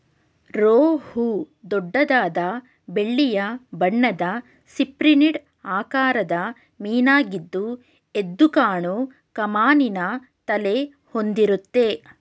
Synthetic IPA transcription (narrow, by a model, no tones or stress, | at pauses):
ɾoːhu | d̪ɔɖːɐd̪aːd̪ɐ | be̞ɭːijɐbɐɳːɐd̪ɐ | sipɾiniɖ | aːkaːɾɐd̪ɐ | miːnaːɡid̪ːu | e̞d̪ːukaːɳu | kɐmaːninɐ | t̪ɐle | hond̪iɾut̪ːe̞